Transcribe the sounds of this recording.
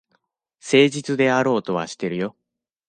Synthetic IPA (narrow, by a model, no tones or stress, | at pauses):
se̞ːʑit͡sɨd̪e̞aɾo̞ːt̪o̞βa̰ɕi̥t̪ːe̞ɾɯ̟jo̞